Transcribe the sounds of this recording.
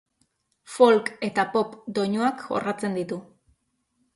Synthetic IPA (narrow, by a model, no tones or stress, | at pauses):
fo̞lke̞t̪apo̞pd̪o̞ɲoakɡo̞̰rat͡se̞nd̪it̪u